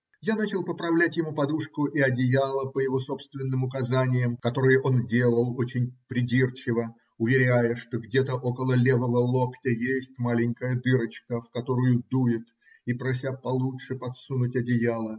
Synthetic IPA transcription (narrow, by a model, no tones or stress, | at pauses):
janat͡ɕɪlˠpəpɾɐvlʲætʲjɪmupɐd̪uʂkʊʔiɐdʲɪjalˠəpəjɪvo̞so̞pst̪vʲɪnːɨmʊkɐzanʲɪjəmkɐt̪o̞ɾɨjʊʔo̞ndʲelˠəlˠo̞t͡ɕɪnʲpɾʲɪdʲirt͡ɕɪvə | ʊvʲɪɾʲæjəʂt̪o̞ɡdʲet̪əʔo̞kəlˠəlʲevəvəlˠo̞ktʲəjesʲtʲmalʲɪŋʲkəjəd̪ɨɾət͡ɕkəfkɐt̪o̞ɾʊjʊd̪ujɪt̪ | ipɾɐs̬ʲapɐlˠutʂɨpɐt̪sunʊtʲɐdʲɪjalˠə